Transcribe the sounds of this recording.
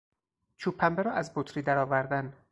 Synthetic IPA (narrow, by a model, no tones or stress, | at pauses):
t͡ʃʰuːpʰːæmbeɾɒːʔæzbot̪ʰɾiːd̪æɾɒːvæɾd̪æn